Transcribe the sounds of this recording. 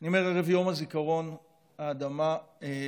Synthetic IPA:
nimeʁeʁevjo̞mazikaʁo̞n | aːd̪amae

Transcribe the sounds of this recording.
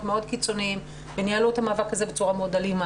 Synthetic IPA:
meo̞d̪kit͡so̞niim | venialuethamaːvakhaze̞bet͡suʁameo̞dalima

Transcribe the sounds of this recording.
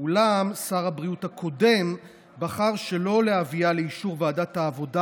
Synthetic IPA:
ulamsaʁhabʁiuthakʰo̞de̞m | baχaʁʃe̞lo̞leavialeiʃuʁveːdathaːvo̞da

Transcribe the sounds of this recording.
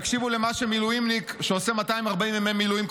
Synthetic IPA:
kʃivulemaʃemilujimlikʃeosemat̪aimaʁbaimvememilujimk

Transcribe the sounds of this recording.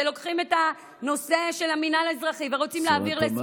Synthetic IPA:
elo̞kχime̞ta | no̞se̞ʃe̞laminalazʁaχiveʁo̞t͡simleaviʁles

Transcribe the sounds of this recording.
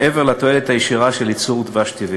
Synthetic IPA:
ʔeveʁlat̪o̞elet̪hajeʃiʁaʃe̞lit͡suʁd̪vaʃt̪ivi

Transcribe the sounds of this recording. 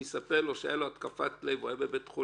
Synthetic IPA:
esapeʁloʃejaloat̪kafat̪lejvoebebet̪χu

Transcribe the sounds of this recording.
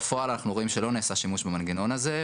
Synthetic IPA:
fo̞alanaχnuʁo̞imʃe̞lo̞neːsaʃimuʃbemanɡino̞naze̞

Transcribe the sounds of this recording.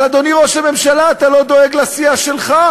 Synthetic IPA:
lad̪o̞niʁo̞ʃhame̞mʃalaːt̪alo̞d̪o̞eɡlasiaʃe̞lχa

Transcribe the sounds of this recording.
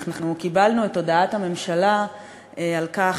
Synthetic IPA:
naχnukibalnuetːo̞daathame̞mʃala | ealka

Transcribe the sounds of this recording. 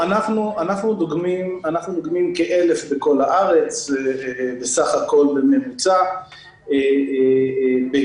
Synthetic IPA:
anaχnuanaχnud̪oɡmimanaχnud̪oɡmimkeʔelefbeko̞laʔaʁe̞t͡s | besaχako̞lbe̞me̞mut͡sa | e | be

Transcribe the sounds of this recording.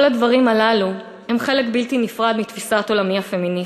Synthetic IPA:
lad̪vaʁimalalu | hemχe̞lekbilt̪inifʁad̪mit̪fisato̞lamiafe̞mini

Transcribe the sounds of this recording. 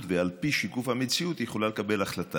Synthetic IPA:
t̪vealpiʃikufhamet͡siut̪jeχolale̞kabe̞laχlat̪a

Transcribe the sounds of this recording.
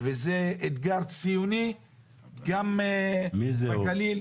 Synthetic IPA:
vezeet̪ɡaʁt͡sijuni | ɡamemizbakalil

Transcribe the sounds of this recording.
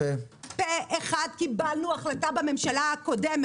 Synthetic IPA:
e | peʔeχad̪̚kibalnuaχlatabame̞mʃalaako̞deme

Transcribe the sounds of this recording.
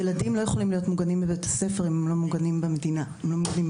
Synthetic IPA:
jeladimlo̞jeχo̞limlijo̞tmuɡanimbebetase̞feʁimemlo̞muɡanimbemedinaemlo̞muɡanim

